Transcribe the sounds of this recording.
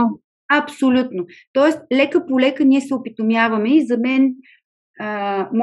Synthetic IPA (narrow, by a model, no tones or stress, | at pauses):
ɐpsolʲut̪not̪ɔɛslɛkəpolɛkəniɛsɛʊpit̪omʲjavɐmɛizɐmɛn | əm